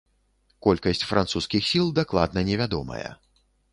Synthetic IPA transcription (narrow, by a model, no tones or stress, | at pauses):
kɔlʲkɐsʲt͡sʲfɾʔant̪suskʲixsʲilˠd̪aklˠad̪nɐnʲɛvʲad̪ɔmɐ̰jɐ̰